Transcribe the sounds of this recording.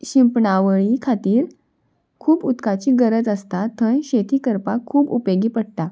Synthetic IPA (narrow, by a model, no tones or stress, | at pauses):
ɕimpɳaʋəɭikʰat̪iːɾ | kʰuːput̪kat͡ɕiːɡəɾəd͡zəst̪at̪ʰənɕet̪iːkəɾpakʰːuːpupeɡiːpəɽt̪a